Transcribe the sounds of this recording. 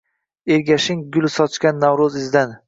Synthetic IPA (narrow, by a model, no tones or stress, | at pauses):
eɾɡʲaʃɪŋɡʲʊlˠsɒt͡ʃkʲanːawɾʊzɪzd̪an